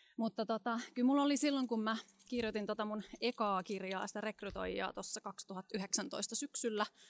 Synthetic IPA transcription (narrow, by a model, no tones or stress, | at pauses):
mut̪ːɑt̪ot̪ɑkylmulːolisilːoŋkummæ | kirjot̪int̪ot̪ɑmunekɑːkirjɑ̰ːsi̥t̪ære̞kryt̪o̰jːɑ̰ːt̪osːɑkɑkst̪uhɑt̪ːyɦeksænt̪o̞ist̪ɑsyksylːæ